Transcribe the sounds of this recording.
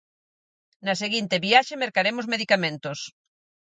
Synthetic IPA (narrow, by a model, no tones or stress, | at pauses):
nɐseɣint̪eβiaʃemeɾkaɾemozmeðikamẽnt̪os